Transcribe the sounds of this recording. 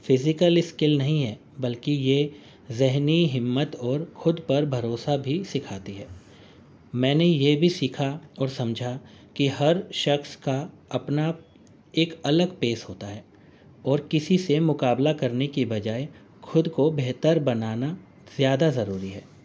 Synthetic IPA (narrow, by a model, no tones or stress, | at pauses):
fɪzɪkəlɪskɪlnɐɦĩɦɛː | bɐlkije | zɪɦniɦɪmːət̪ɔːɾxʰʊd̪pɐɾbʱɐɾoːsabʱisɪkʰaːt̪iɦɛː | mɛ̃ːnejebʱisiːkʰaɔːɾsɐ̃md͡ʒʱakiɦɐɾʃɐxska | ɐpna | eːkɐləɡpeːsɦoːt̪aɦɛː | ɔːɾkɪsisemʊkaːblakɐɾnekibɐd͡ʒaːe | xʰʊd̪kobeɦt̪əɾbɐnaːna | z̥jaːd̪azɐɾuːɾiɦɛː